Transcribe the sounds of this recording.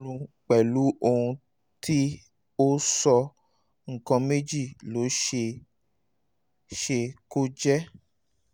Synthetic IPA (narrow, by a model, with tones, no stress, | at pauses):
ɾũ˧k͡pɛ˨lu˨˦ʔo˧hũ˧ | tʰi˦ | o˦sɔ˧ | ŋ̩˨kɔ̃˧me˦d͡ʒi˦˨lo˨˦ʃe˧ | ʃe˧ko˦d͡ʒɛ˦